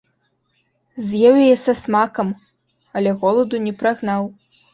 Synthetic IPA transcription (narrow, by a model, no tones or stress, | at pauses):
zʲjɛwɐjɛsɐsmakɐm | ɐlʲɛɣɔlˠɐd̪unʲɛpɾaɣnaw